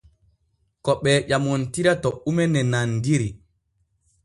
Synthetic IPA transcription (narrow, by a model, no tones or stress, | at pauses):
kɔɓɛːʄamɔntiɾatɔʔumɛnɛnandiɾi